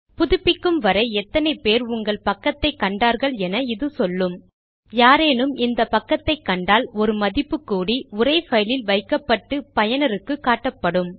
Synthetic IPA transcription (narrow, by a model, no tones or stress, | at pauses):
pʊðʊpːɪkːɯmʋɐɾɐɪɛt̪ːɐnɐɪpeːɾʊŋɡɐɭpɐkːɐt̪ːɐɪkːɐɳɖaːɾɣɐɭɛnɐɪðɯsɔlːɯm | jaːɾeːnɯmɪnd̪ɐpɐkːɐt̪ːɐɪkːɐɳɖaːlɔɾɯmɐðɪpːɯkːuːɽiʊɾɐɪfɐjlɪlʋɐɪkːɐpːɐʈːɯpɐjɐnɐɾɯkːɯkːaːʈːɐpːɐɽɯm